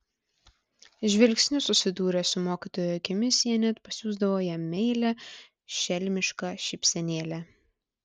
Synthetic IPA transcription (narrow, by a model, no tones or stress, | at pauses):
ʒʲʋʲɛlʲˑksʲnʲʊsʊsʲɪd̪uːɾʲɛsʊmoːkʲiːt̪oːjʊɐkʲɪmʲɪsʲjiɛnʲɛt̪pɐsʲuːzd̪ɐʋoːjɛmʲɛɪlʲɛ | ʃʲɛlʲmʲɪʃkɑʃʲɪpʲsʲɛnʲeːlʲæ